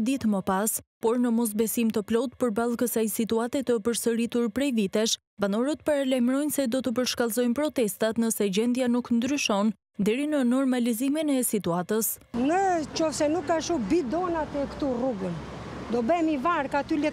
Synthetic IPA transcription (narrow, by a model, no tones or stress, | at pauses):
d̪it̪məpaspɔɾnəmɔs̬bɛsimt̪əplɔt̪pəɾbalˠkəsajsit̪uat̪ɛt̪əpəɾsəɾit̪uɾpɾɛjvit̪ɛʃ | banɔɾət̪paɾalajmɾɔjnsɛd̪ɔt̪əp̬əɾʃkalˠzɔjnpɾɔt̪ɛst̪at̪nəsɛd͡ʑɛnd̪januknd̪ɾyʃɔn | d̪ɛɾinənɔɾmaliziminɛsit̪uat̪əs | nət͡ʃɔfsɛnukːaʃubid̪ɔnat̪ɛkt̪uruɡən | d̪ɔbɛmivaɾkat̪ylɛ